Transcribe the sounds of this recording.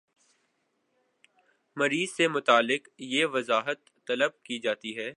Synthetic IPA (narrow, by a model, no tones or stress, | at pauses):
mɐɾiːzsemʊt̪aːlːɪqjeːʋɐzaːɦət̪ːɐləb̚kid͡ʒaːt̪iɦɛː